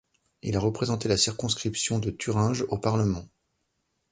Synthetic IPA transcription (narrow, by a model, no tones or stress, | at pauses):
ḭlaʁəpχezɑ̃t̪elasiʁkɔ̃skχipsjɔ̃d̪ət̪ʰyʁɛ̃ʒopaʁləmɑ̃